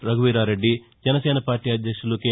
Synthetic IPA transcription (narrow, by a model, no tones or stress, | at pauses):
ɾɐɡuʋiːɾaːɾe̞ɖːi | d͡ʒɛnɐseːnɐpaːɾʈiːɐd̪jɐkʂulukeː